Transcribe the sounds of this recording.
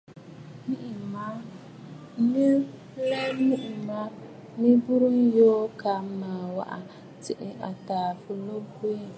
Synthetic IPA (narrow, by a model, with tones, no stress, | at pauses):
mi˦ʔma˦ | mi˦ | lɛ˦mi˦ʔi˨ma˦ | mi˦bu˦ɾu˦n˦joː˦ka˨m˦ma˨wa̰˨ʔa˨ | tɪ˨ʔɪ˨ʔa˨taː˨fu˨lo˦bu˦e˦